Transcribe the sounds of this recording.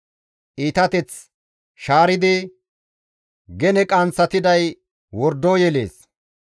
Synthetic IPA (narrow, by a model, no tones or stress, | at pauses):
ʔiːt̪ɐt̪ɛt͡s | ʃaːɾɪd̪ɪ | ɡɛnɛkʼɐnt͡sːɐt̪ɪd̪ɐj | wɔɾd̪oːjɛlḛːs